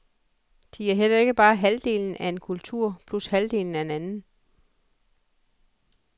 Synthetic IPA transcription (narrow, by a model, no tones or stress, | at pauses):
d̥iæɐɦel̰ɐe̝ɡ̥əb̥ɑ̈ːɦæld̥e̝ːln̩ʔæe̝nkʰult͡sʰuɐ̰pʰlushæld̥e̝̰ːln̩æe̝nænn̩